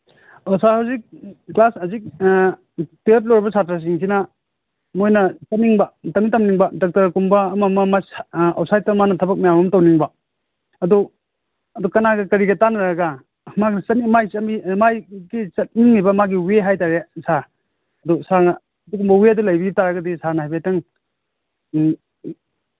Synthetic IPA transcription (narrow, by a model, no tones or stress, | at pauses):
osahawzik̚klasɐzik̚ | tep̬̚loɾibɐsʰatɾas̬iŋsʰinɐ | mojnɐt͡ʃɐt̚niŋbɐtɐmitɐmniŋbɐdɔk̚tɐɾkumbɐːmɐmɐmaso̰w̚sajtamanɐtʰɐbɐk̚majamɐmtɐwniŋbɐ | ɐdɔ | ɐdukɐnaɡɐkɐɾiɡɐtanɾaɡa | maɡsɐnimajsɐmimajɡit͡ʃɐt̚niŋmibɐmaɡiweɦajtaɾesa | ɐdɔsanɐː | dukumbɐweadulajbiitaɾaɡɐdisanaɦajbajtɐŋ